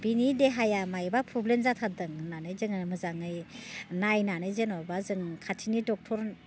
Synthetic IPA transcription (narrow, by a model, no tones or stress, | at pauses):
binideɦajamajbapʰublenzatʰadɯŋnanɯjzɯŋmɯzaŋɯjnajnanɯjzɯnɔbazɯŋkʰatʰinidɔk̚tʰɔɾ